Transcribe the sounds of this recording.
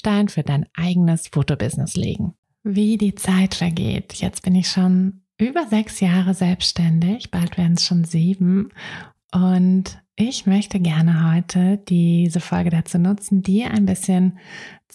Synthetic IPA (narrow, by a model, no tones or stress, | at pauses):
ʃtaɪnfyːɐdaɪnʔaɪɡənəsfoːtobɪznɪslḛːɡŋ̩ | viːdiːt͡saɪtfɛɐɡḛːtjɛ̰t͡stb̥ɪnɪçʃoːnʔyːbɐzɛksjaːʁəzɛlpstɛndɪçb̥altv̥eːɐdn̩sʃoːnziːbm̩ | ʔʊntʔɪçmœçtəɡɛɐnəɦɔʏtʰəd̥iːzəfɔlɡədat͡suːnʊt͡sn̩diːɐʔa̰ɪnbɪsçən